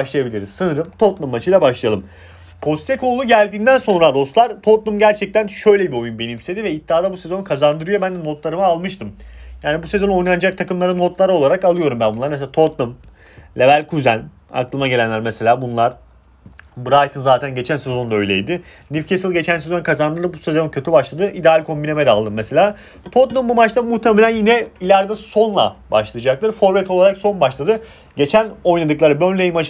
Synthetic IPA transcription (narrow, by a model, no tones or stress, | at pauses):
aʃlˠajabilʲiɾiz̥sɯnɯɾɯmt̪ʰo̞t̪lˠumːat͡ʃʰɯjlʲabaʃlˠajalˠɯm | pʰo̞st̪ʰekʰo̞lˠuɟælʲd̪iːnd̪ænso̞nɾad̪o̞st̪lˠaɾt̪ʰot̪lˠumɟæɾt͡ʃʰɛc̚t̪ʰænʃø̞jlʲebio̞junbe̞nimsʰe̞d̪ivɛit̪̚ːiaːd̪abuse̞zo̞nkʰazand̪ɯɾɯjo̞bænd̪ɛno̞t̪lˠaɾɯmɯalˠmɯʃt̪ɯmjaːnibuse̞zo̞no̞jnand͡ʒak̚t̪ʰakɯmlˠaɾɯnot̪lˠaɾɯo̞lˠaɾakalˠɯjo̞ɾumbænbunˠaɾmeseat̪ʰo̞t̪lˠum | lʲevælʲkʰuzæn | a̰klˠɯmaɟe̞lʲænlʲæɾmese̞lʲaːbunlˠaɾ̥ | bɯɾajt̪ʰɯnzaːt̪ʰænɟe̞t͡ʃʰænse̞zo̞nd̪aø̞jlʲe̞̰jd̪ɪ | nifcʰesɯlˠɟe̞t͡ʃʰænsezo̞nkʰazanˠɯd̪abuse̞zo̞ncʰøt̪ʰybaʃlˠad̪ɯʔid̪ealʲkʰo̞mbinemed̪ɛalˠd̪ɯmːese̞lʲaː | t̪ʰot̪lumbumat͡ʃlt̪ˠamuht̪emelʲænjinɛilʲæɾd̪ɛso̞nlˠa̰baʃlˠɯjd͡ʒak̚t̪ɯɾfo̞ɾvɛt̪ʰo̞lˠaɾakso̞nbaʃlˠad̪ɯ | ɟe̞t͡ʃʰæno̞jnad̪ɯklˠaɾɯbønlʲejmat͡ʃ